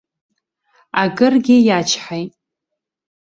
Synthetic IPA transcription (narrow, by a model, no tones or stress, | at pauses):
aɡɨrɡʲɪjat͡ʃʰħajtʼ